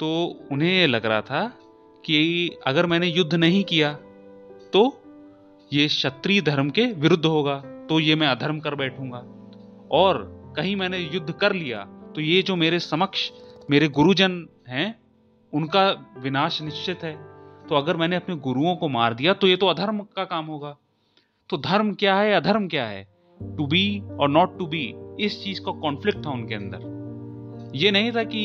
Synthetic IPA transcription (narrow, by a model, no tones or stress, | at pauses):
t̪oːʊnɦẽjelɐɡɾaa̰t̪ʰa | kiɐɡəɾmɛ̃ːnejʊd̪ʱːnɐɦĩkijaː | t̪o | jeʃɐt̪ɾid̪ʱɐɾmkeʋɪɾʊd̪ʱːɦoːɡaːt̪ojemɛ̃ɐd̪ʱəɾmkɐɾbɛːʈʰũːŋɡaː | ɔːɾkɐɦĩmɛ̃ːnejʊd̪ʱːkɐɾlija̰ːt̪ojed͡ʒoːmeːɾesɐməkʃmeːɾeɡʊɾud͡ʒən | ɦɛ̃ː | ʊnkaʋɪnaːʃnɪʃt͡ʃɪt̪ɦɛːt̪oɐɡəɾmɛ̃ːneɐpneɡʊɾuõkomaːɾd̪ijat̪ojet̪oɐd̪ʱəɾmkakaːmɦoːɡaː | t̪od̪ʱɐɾmkjaːɦɛɐd̪ʱəɾmkjaːɦɛ̰ː | ʈubiɔːɾnɔːʈːubiɪst͡ʃiːzkakɔ̃ːnflɪk̚ʈ̚t̪ʰaʊnkeɐ̃nd̪ə̰ɾ | jenɐɦĩt̪ʰaki